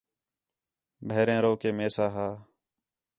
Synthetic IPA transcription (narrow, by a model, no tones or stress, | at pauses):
bʱeːɾẽːɾoːkeːmeːsaːɦaː